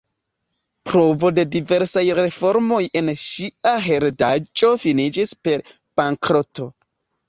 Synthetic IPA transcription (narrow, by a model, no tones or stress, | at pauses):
pɾo̞vo̞de̞dive̞ɾsajɾe̞fo̞ɾmo̞jʔe̞nʃiaɦe̞ɾdat͡ʃʼo̞finid͡ʒispe̞ɾ | b̥aŋkɾoto̞